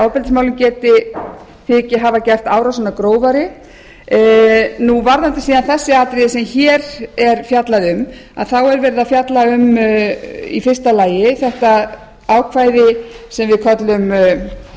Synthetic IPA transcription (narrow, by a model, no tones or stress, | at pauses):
awpɛlt̪ɪsmawlʏmcɛːt̪ɪ | θɪcɪɦavacɛjr̥t̪aːwɾasɔnakɾoːwvaɾɪ | nuvaɾðant̪ɪsiːðanθɛsːɪaːt̪ɾɪðɪsɛmçɛːɾɛɾ̥fjat̪laðʏm | a̰ðθawɛɾvɛːɾɪðafjat̪laʏm | ḭfɪr̥st̪alaːjɪθɛht̪a | aːwkʰvaːjðɪsɛmvɪðkʰɔt̪lʏm